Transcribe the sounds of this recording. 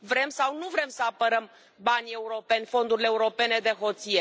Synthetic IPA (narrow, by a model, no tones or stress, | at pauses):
vɾe̞msawnuvɾe̞msəapəɾəm | banʲe̞uɾo̞pe̞nʲfo̞nd̪uɾileuɾo̞pe̞ne̞d̪e̞ɦo̞t̪sije